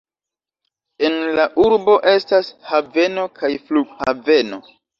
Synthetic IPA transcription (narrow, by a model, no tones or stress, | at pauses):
e̞nlaʔuɾbo̞ʔe̞stashave̞no̞kʰajfluɡ̥have̞no̞